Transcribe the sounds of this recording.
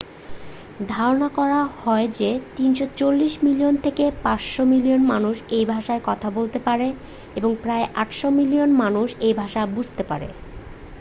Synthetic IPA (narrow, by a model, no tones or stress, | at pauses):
d̪ʱaɾonakɔɾahɔed͡ʑet̪inʃot͡ɕolːiʃmilijont̪ʰekepasʃomilionmanuʃejbʱaʃaeɾkɔt̪ʰabolt̪epaɾe | eboŋpɾaeʔaʈʃomilijonmanuʃejbʱaʃabud͡ʑʱt̪epaɾḛ